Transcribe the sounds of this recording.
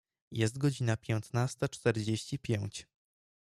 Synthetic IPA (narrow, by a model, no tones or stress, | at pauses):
jɛs̬t̪ɡɔd͡ʑinapʲjɛnt̪nast̪at͡ʂt̪ɛɾd͡ʑeɕt͡ɕipʲjɛw̃t͡ɕ